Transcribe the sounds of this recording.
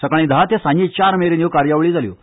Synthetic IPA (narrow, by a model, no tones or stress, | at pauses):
səkaɭĩːd̪ʱaɦat̪ɛsãɲit͡ɕaɾmeɾeniʋkaɾjaʋɭiːd͡zaljo̰